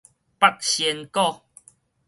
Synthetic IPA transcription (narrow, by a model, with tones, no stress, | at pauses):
pa˦˨k̚ɕi˧nkɔ˦˧